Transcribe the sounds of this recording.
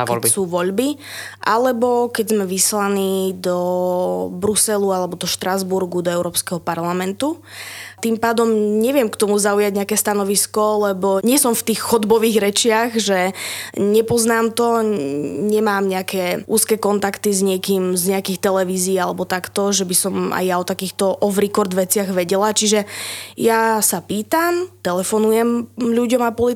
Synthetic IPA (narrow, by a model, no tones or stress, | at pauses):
kɛsuːʋɔʎbi | ʔalɛbɔkɛɟzmɛʋislaniːd̪ɔ | bɾusɛlualɛbɔd̪ɔʃt̪ɾazbuɾɡud̪ɔɛʊɾɔːpskɛɦɔpaɾlamɛnt̪u | t̪impaːd̪ɔmɲɛʋɪɛmkt̪ɔmuzaujaɟɲɛakɛːst̪anɔʋiskɔlɛbɔɲɪɛsɔmft̪iːxːɔd̪bɔʋiːɣɾɛt͡ʃɪaɣʒɛɲɛpɔznaːmt̪ɔ | ɲɛmaːmɲɛakɛːʔṵːskɛːkɔnt̪akt̪izɲɪɛkiːmzɲɛakiːxt̪ɛlɛʋiːziːalɛbɔt̪akt̪ɔʒɛbisɔma̰jːaɔt̪akiːxt̪ɔʔɔvɾikɔɾd̪ʋɛt͡sɪaɣʋɛɟɛlat͡ʃiʒɛjasapiːt̪amt̪ɛlɛfɔnujɛmʎuɟɔmapɔli